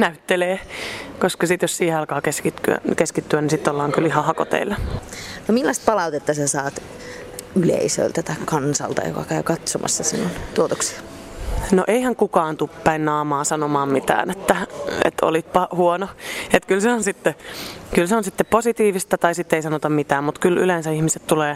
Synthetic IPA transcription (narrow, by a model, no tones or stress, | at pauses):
næyt̪ːeleːkoskɑsit̪jossiːheɑlkɑːkeskit̪ːky̰æ̰keskit̪ːyænisit̪ːolːɑːŋkylihɑhɑko̰t̪ḛilːɑnomilːɑst̪̚pɑlɑut̪et̪ːɑsesɑːt̪ | ylḛisø̰lt̪æt̪ɑikkɑnsɑ̰lt̪ɑ̰jo̰kɑ̰kæykɑt̪somʔɑ̰sːɑsinːont̪uot̪oksi̥ | no̰ʔeihæŋkukɑːnt̪upːæinːɑːmɑːsɑnomɑːmmit̪æ̰ːnet̪ːæḛt̪o̰lit̪̚pɑhuonoet̪kylseonsit̪ːekylseonsit̪ːepposit̪iːʋist̪ɑt̪ɑisit̪ːeisɑnot̪ɑmmit̪æːmmut̪kylylensæihmiset̪t̪uleː